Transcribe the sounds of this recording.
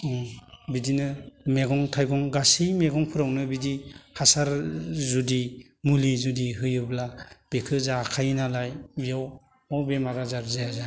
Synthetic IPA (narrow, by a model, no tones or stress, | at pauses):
bidinɯmeɡɔŋtʰajɡɔŋɡasimeɡɔŋpʰɯɾawnɯbidihasaɾzudi | mulizudiɦɯjɯblab̥ekʰɯzakʰajnalajbijaw | ɔwbemaɾazaɾzejaza